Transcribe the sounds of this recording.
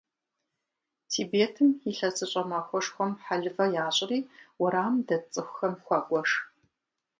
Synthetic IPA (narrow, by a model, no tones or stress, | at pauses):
tʰiːbeːtʰɨmiɬɐsʰʼɨɕʼɐmɐxʷɔʂxʷɔmħaɮɨvɐjaːɕʼɪriːwʊɾaːmdɐt͡sʼɨxʷxɐmxʷɑɡʷʼɔʂ